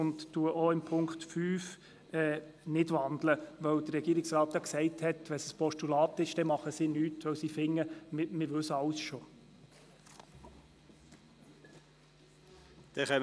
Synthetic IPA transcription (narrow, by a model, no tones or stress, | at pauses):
ʊntːuəʔoɪmpʰʊŋktfyːf | ɛːnɪdʋɑndləʋœwd̥̪əːɛɡiːɾɪksɾɑːt̪̚d̥ɑksɛɪthɛtʋɛnsəspʰɔʃtulɑːt̪ɪʃd̥ɛmɑχəsiːnyːtʋœwsiːfɪŋːəmɪmɪʋɵsɑlsʃo | d̪̥ɛχɛ